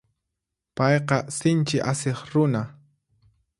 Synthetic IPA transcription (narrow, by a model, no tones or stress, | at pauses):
pɑjqɑsɪnt͡ʃɪʔaseχɾʊna